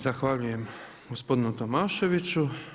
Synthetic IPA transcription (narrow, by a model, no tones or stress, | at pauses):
zaxʋaʎujɛm | ɡospod̪nut̪omaʃeʋit͡ʃu